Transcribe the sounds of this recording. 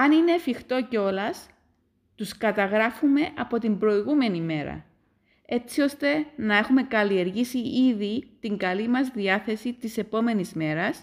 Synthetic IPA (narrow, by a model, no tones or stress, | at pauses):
ɐnine̞ːfixt̪o̞ceo̞lɐs | t̪uskɐt̪ɐɣɾɐfume̞ʔɐpo̞t̪imbɾo̞iɣume̞nime̞ɾɐ̰ | e̞t͡sio̞st̪e̞nɐe̞xume̞kɐlie̞ɾʝisiiðit̪iŋɡɐlimɐzðiɐθe̞sit̪ise̞po̞me̞nizme̞ɾɐs